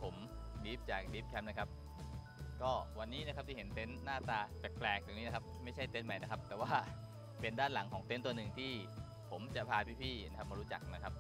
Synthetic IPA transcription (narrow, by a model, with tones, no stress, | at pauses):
pʰo˩˦mdiː˦˥p̚t͡ɕaː˨˩k̚diː˦˥p̚kʰɛ˦˥mna˦˥kʰa˦˥p̚ | kɔː˥˩wa˧nːiː˦˥na˦˥kʰa˦˥p̚t̪ʰi˥˩e˩˦nt̪e˦˥nːaː˥˩t̪aː˧t͡ɕɛ˨˩k̚plɛː˨˩k̪̚uː˧˩ŋi˦˥a˦˥kʰa˦˥p̚ma˥˩jt͡ɕʰa˥˩jt̪e˦˥nma˦˥˩jna˦˥kʰa˦˥p̚t̪ɛː˨˩waː˥˩ | pe˧ndaː˥˩nla˩˦ŋkʰɔː˩˦ŋt̪e˦˥nt̪u˧ɐnɯ˨˩ŋt̪ʰiː˥˩ | pʰo˩˦mt͡ɕa˨˩pʰaː˧pʰiː˥˩pʰiː˥˩na˦˥kʰa˦˥pmaː˧ɾuː˦˥t͡ɕa˨˩k̚na˦˥kʰa˦˥p̚